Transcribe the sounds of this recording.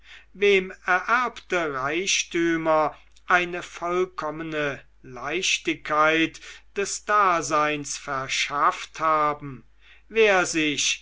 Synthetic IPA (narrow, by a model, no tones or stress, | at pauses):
veːmɛɐʔæɐptəʁaɪʃtyːmɐ | ʔaɪnəfɔlkʰɔmənə | laɪʃtɪkʰːaɪtd̥ɛsd̥aːzaɪnsfɛɐʃafthaːbm̩ | veːɐzɪʃ